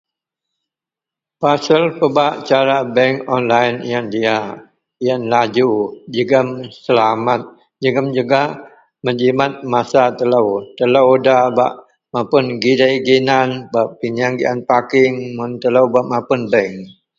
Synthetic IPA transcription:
pasəlpəbaʔt͡ʃaɾabɛŋkɔnlajnijandia | ijanlad͡ʒud͡ʒəɡəmsəlamat̪̚ | d͡ʒəɡəmd͡ʒuɡah | məd͡ʒimat̪̚masat̪ələwt̪ələwdaba̰ʔ | mapʊnɡidaiɡinanbapiɲaŋɡiʔanpakɪŋmʊnt̪ələwbaʔmapʊnbɛŋ

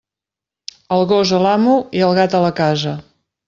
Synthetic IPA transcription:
əlˠɣozəlamuiəlˠɣat̪ələkazə

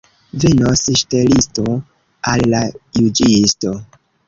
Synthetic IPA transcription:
venosʃtelisto | alːajud͡ʒisto̞

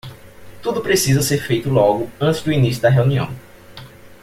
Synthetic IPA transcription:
t̪ud̪ʊpɾesizɐseɾfejt̪ʊlɔɡʊɐ̃t̪ɪzd̪ʊinisjʊd̪ɐɦeuniɐ̰̃w̃

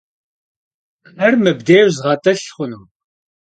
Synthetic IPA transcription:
ɐrmɨbdeːwzʁɑːtʼɐɬχʷʊnɨm

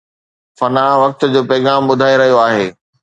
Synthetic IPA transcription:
fɐnaːɽ̃ʋɐk̚t̪ʊ̆d͡ʑoːpɛːɣaːmɓʊd̪ʱaːeɾɐɦijoaːɦeː

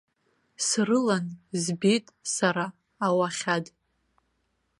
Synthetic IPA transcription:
srɨlanzbitʼsaɾaː | waχʲad

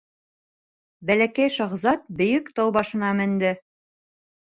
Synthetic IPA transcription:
bælækæjʃɑ̆ʁzɑt̪̚bɵ̆jɵkt̪ɑwbɑʃɤ̆nɑmɘ̆nd̪ɘ

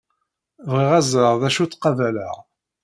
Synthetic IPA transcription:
vʁiʁæzəʁðæʃut͡sːqɑvæləʁ

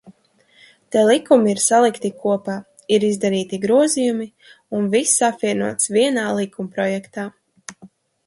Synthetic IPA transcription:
t̪ɛlˠikumiiɾsalˠikt̪ikuɔpaː | iɾizd̪aɾiːt̪iɡɾuɔzijumi | unvisːapviɛnuɔt̪sviɛnaːlˠikumpɾɔjɛkt̪aː

